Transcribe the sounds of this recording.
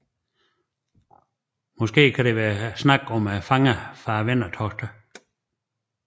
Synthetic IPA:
mɔsɡ̥e̝̰ːkʰædeʋæːɐsnɑ̈ɡ̥ɒmæfɑ̈ŋəfɑːʋenɐt͡sʰɒsd̥ə

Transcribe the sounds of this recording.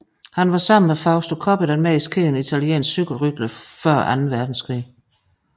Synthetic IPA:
hænʋɑ̈sɑ̈m̰n̩mefɑ̈ʊsd̥okʰɒb̥ed̥ænmɛiskʰiːnit͡sʰæliḛːnssyɡ̥l̩ʁyɡ̥ləfɶɐ̰ʔænn̩ʋæɐd̥n̩skʰʁḭː

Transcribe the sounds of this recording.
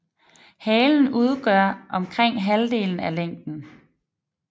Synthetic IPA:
hɛːln̩uð̞ˠɡ̥ɶɐ̰ʔɒ̽mkʰʁeŋ̰ɦæld̥e̝̰ːln̩æleŋ̰d̥n̩

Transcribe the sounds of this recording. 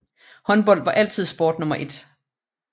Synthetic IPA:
hɒ̽nb̥ɒ̽l̰dʋɑ̈ʔæl̰t͡sʰið̞̰ˠsb̥oːd̥nɔ̽mɐʔe̝d̥

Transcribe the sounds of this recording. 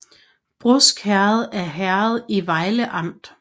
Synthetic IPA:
b̥ʁɔsɡ̥hæɐð̞̩ˠæɐɦæɐð̞̩ˠiʋɑ̈ɪləʔɑ̈m̰d̥

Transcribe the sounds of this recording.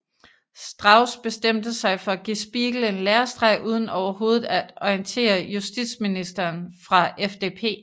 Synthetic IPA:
sd̥ʁɑ̈ʊsb̥e̝sd̥em̰d̥əsɑ̈ɪfɒ̽æɡ̥isb̥iːɡ̥l̩e̝nleːɐsd̥ʁɑɪʔuːð̞ˠən̩ɒʊɐɦo̝ːð̞ˠð̩ˠæd̥ɒ̽ɪnt͡sʰe̝̰ːɐjusd̥id̥sminisd̥ɐːnfʁɑ̈ʔefd̥e̝̰ːpʰe̝̰ː

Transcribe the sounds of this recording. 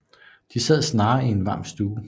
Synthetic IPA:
d̥isæð̰ˠsnɑ̈ːie̝nʋɑ̈msd̥uː

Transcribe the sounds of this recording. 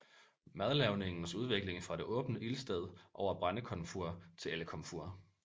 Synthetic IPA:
mæð̞ˠlɛʊne̝ŋn̩suð̞ˠʋe̝ɡ̥le̝ŋfʁɑ̈ɾ̥e̝ʔɔ̽ːb̥n̩əʔilsd̥eð̞̰ˠʔɒʊ̰ɐb̥ʁanəkʰɒ̽nfoɐt͡sʰe̝leləkʰɒ̽mfoɐ̰

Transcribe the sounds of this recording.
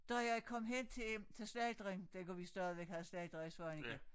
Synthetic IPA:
d̥ʁaɒkʰɒ̽m̰ɦen̰t͡sʰe̝t͡sʰe̝sd̥ɛːd̥ʁeŋd̥ekʰuʋisd̥æɐðˠʋeɡ̥hæð̩ˠsd̥ɛðd̥ʁesʋɒeni̥e

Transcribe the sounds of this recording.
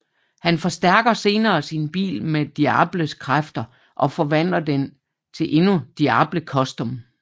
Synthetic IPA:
hænfɒ̽sd̥æɐ̰ɡ̥ɐse̝ːnɐːsinb̥ḭːlmed̥iæ̰ːb̥ləskʰʁafd̥ɐ | ʔɒ̽fɒ̽ʋæn̰dɐd̥en | t͡sʰe̝lʔe̝nud̥iɑ̈ːb̥ləkʰɒ̽sd̥ɔm

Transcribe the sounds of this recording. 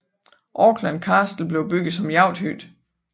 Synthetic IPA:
ʔɒːɡ̥ʰlænkʰɑːsd̥l̩b̥le̝ʊb̥yɡ̥ð̩ˠsɒ̽mjɑ̈ʊd̥hy̰d̥

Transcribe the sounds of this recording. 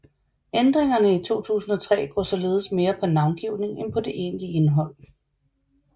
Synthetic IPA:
end̥ʁeŋɐnəit͡sʰo̝̰ːt͡sʰṵːsn̩ɒ̽t͡sʰʁɛ̰ːɡ̥ɒ̰ːsɒ̽le̝ːð̞̩ˠəsme̝ːɐpʰɒ̽nɑ̈ʊnɡ̥iʊne̝ŋenpʰɒ̽de̝ʔe̝ːnlie̝nɦɒ̽l̰

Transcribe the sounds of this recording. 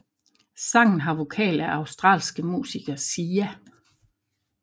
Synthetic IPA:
sɑ̈ŋ̰n̩ɦɑ̈ʋo̝kʰɛ̰ːlæʔɑ̈ʊsd̥ʁɑ̰̈ːlsɡ̥əmṵːsiɡ̥ɐsiːæ

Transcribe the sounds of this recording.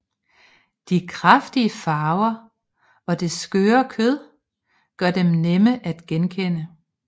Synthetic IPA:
d̥ikʰʁɑfd̥iəfɑ̈ːʊɐ | ɒ̽d̥e̝sɡ̥øːɐkʰøð̰ˠ | ɡ̥ɶɐd̥emneməʔæd̥ɡ̥enkʰen̰ə

